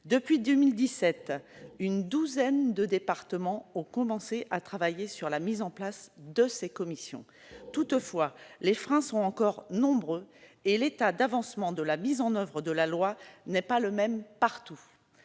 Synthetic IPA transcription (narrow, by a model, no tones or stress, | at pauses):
d̪əpɥid̪ømild̪isɛt̪ynd̪uzɛnd̪əd̪epaʁt̪əmɑ̃ɔ̃kɔmɑ̃seʔat̪χavajesyʁlamizɑ̃plasd̪əsekɔmisjɔ̰̃ | t̪ut̪fwalefχɛ̃sɔ̃t̪ɑ̃kɔʁnɔ̃bʁøelet̪ad̪avɑ̃smɑ̃d̪əlamizɑ̃nœvʁəd̪əlalwanɛpaləmɛmpaʁt̪u